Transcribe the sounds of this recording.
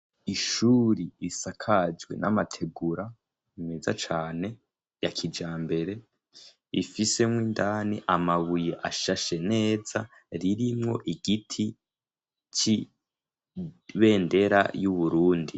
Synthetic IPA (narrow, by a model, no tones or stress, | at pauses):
iʃuɾiːsakʰad͡ʒɡwe̞̰nʔamatʰe̞ɡuɾa | imeːza̰t͡ʃaːne̞ | jakʰid͡ʒaːmbe̞ɾe̞ | ifise̞mŋwiːndaːniʔamaβuje̞ʔaʃaʃe̞ne̞ːza | ɾiɾimŋo̞̰ʔiɡitʰi | t͡ʃi | βe̞ːnde̞ɾa̰juβuɾuːndi